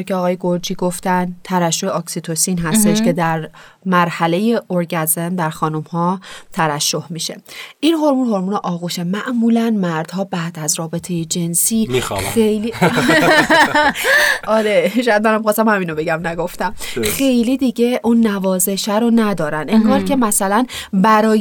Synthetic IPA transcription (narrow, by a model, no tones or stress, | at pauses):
ceɒːɣɒːjeɡoɾd͡ʒiːɡo̞ft̪ænt̪ʰævæʃːo̞heɒksit̪ʰosinɦæst̪e̞ʃcʰe̞d̪æɾ | mæɾhæle̞jeʔoɾɡæzend̪æɾxɒːnumhɒːt̪ʰævæʃːo̞hmiːʃe̞̰ʔinɦoɾmuːnho̞ɾmuːneʔɒːɣuːʃemæʔmuːlænmæɾd̪̥hɒːbæːd̪æzɾɒːbe̞t̪ʰe̞jed͡ʒe̞nsiːḭxejli | ʔɒɾeʃojæd̪mænæmixɑːst̪æmhæmiːnobe̞ɟæmnæɡo̞ft̪æmxe̞jliːd̪iɟe̞ʔunːævɒːze̞ʃæɾonæd̪ɒːɾæneŋɡɒːɾcʰe̞mæsælænbæɾɒːj